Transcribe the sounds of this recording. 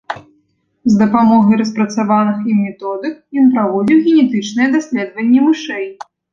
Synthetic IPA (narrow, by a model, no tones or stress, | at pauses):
zd̪ɐpamɔɣɐjɾɐspɾɐt̪savanɨximʲːɛt̪ɔd̪ɨkjɔnpɾavɔd͡zʲiwɣʲɛnʲɛt̪ɨt͡ʂnɨjɛd̪asʲlʲɛd̪vɐnʲːɛmɨʂɛj